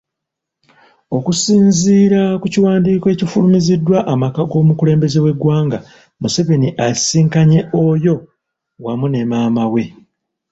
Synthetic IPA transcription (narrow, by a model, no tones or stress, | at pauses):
o̞kusiːnziːɾakuciwaːndiːkoe̞cifulumizidːwaʔamakaɡo̞ːmukule̞ːmbe̞ze̞we̞ɡwaːŋɡa | muse̞βe̞niʔasiːŋkaɲe̞ʔojo̞ | wamune̞maːmawe̞